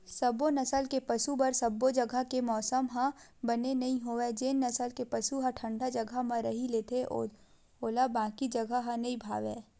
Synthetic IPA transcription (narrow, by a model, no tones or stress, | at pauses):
sɐbonɐsəlkepɐsubɐɾsɐbːod͡ʒɐɡʱakemɔːsəmɦãbɐnenɐɦĩɦoːed͡ʒeːnːɐsəlkepɐsuɦãʈʰə̃ɳɖad͡ʒɐɡʱamɐ̃ɾɐɦileːt̪ʰeʔo̰ː | oːlabãːkid͡ʒɐɡʱaɦãnɐĩbʱa̰ːʋeː